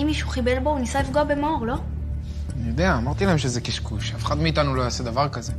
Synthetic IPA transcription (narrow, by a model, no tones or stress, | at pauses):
imːiʃuχibe̞lbo̞unisaifɡoabe̞mooʁlo̞ | nijod̪eaːmaʁt̪ilahemʃezekiʃkuʃafeχad̪meit̪anulo̞jased̪avaʁkaze